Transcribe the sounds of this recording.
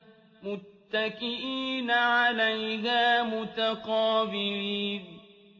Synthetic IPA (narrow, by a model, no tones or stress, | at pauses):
mʊt̪ːakɪʔiːnaʕalajɦaːmʊt̪aqɑːbɪɾiːn